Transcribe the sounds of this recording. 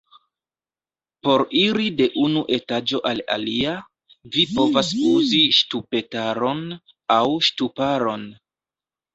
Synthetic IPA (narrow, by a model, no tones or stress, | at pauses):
po̞ɾiɾide̞ʔunuʔe̞tad͡ʒo̞ʔala̰lia | vipo̞vasuziʃtupe̞taɾo̞n | awʃtupaɾo̞n